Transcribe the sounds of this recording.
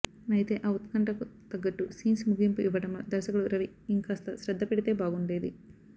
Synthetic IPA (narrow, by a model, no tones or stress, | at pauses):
ɐjt̪e̞ːʔɐwut̪kɐɳʈɐkut̪ɐɡːɐʈːusiːnsmuɡimpuʔiʋɐʈɐmɐd̪ɐɾsɐkuluɾɐʋi | iŋkaːst̪ɐsɾɐd̪ʱːɐpeɽit̪e̞ːbaːɡuɳɖeːd̪i